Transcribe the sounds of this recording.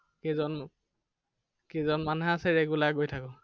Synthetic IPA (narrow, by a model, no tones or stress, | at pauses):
kizɔn | kizɔnmanɦaːsɛɹɛɡulaɡojtʰakɔ